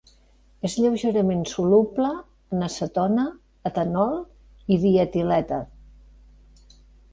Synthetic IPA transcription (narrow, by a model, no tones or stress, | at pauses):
ezʎɛwʒeɾəmensulubləː | nəsət̪ɔnəː | t̪ənɔlˠ | iβiət̪ilɛt̪ə